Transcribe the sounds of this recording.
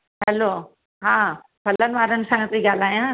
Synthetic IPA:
ɦɛloː | ɦãː | pʰɐlənʋaːɾənɪ̆sãt̪ɾiɡaːlaːjãː

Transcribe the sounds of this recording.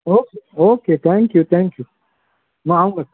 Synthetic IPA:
oːkeoːket̪ʰɛ̃ŋkjut̪ʰɛ̃ŋkju | mãaũŋɡa

